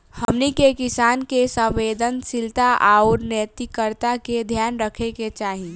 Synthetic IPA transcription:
həmnikekɪsaːnkesə̃ʋeːd̪ənsɪlt̪aʔaɔːɾnet̪ikəɾt̪aked̪ʱjaːnɾəkʰeket͡ʃaːɦĩ

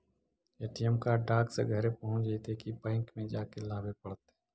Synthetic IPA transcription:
eːʈijəmkaɖaːksḛɡʱəɾepɐɦʊ̃nt͡ʃd͡ʒet̪ekibɛ̃ːŋkmẽd͡ʒaːkelaːbepɐɽt̪e

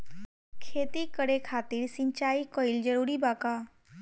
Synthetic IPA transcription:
kʰet̪iːkəɽekʰat̪iːɾsiɲt͡ɕaikoild͡ʑəɽuːɾiːbaka

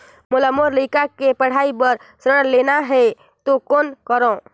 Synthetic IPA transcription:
mulamoɾlikakepəɽ̤aibəɾsɾəɽlenaɦɛ | t̪okonkəɾõ

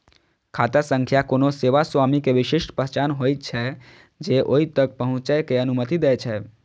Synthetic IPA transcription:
kʰat̪əsə̃ŋkʰjakonoseʋaswamikeʋiʃiʃʈpəɦt͡ʃanɦojt̪̚t͡ʃʰɛ | d͡ʒeʔoɦit̪ək̚pəɦʊ̃t͡ʃəjkeənumət̪id̪ɛt͡ʃʰɛ

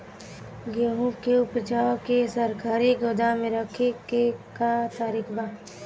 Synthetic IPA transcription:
ɡeɦũbkeʊpət͡ʃaːwkesɐɾkaːɾiɡoːd̪amẽɾəkʰekekat̪aːɾiːkbaː

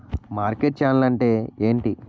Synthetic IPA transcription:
maːɾkeʈ̚t͡ʃaːnlɐɳʈe̞ːe̞ːɳʈi

